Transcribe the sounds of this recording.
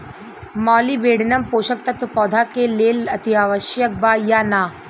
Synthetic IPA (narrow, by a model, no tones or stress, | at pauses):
mɔːlibeːɽ̤nɐmpoːʃək̚t̪ɐt̪pɔːd̪ʱakeleːlɐt̪iaːʋəʃjək̚baːjaːnaː